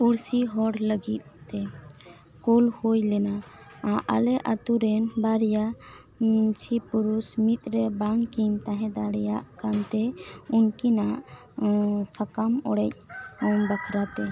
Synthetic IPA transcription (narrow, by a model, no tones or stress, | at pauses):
uɽsiɦɔɽləɡit̪̚ːɛ | kulhojlɛna | aʔa̰lɛʔat̪uɾɛnbaɾja | t͡ʃʰipuɾusmit̪̚ʼˀɾɛbaŋkimt̪ãɦɛ̃d̪aɽɛjaʔkant̪ɛunkinaʔ | sakamɔɽɛc̚bakʰɾat̪ɛ